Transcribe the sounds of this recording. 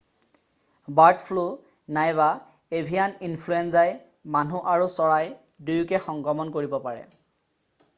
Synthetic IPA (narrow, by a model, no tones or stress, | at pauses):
baɹtpʰlu | najβa | ebʱijaninpʰluenzaj | manuʔaɹusɔɹaj | dujukɛxɔŋɡɔmɔnkoɹibɔpaɹɛ̰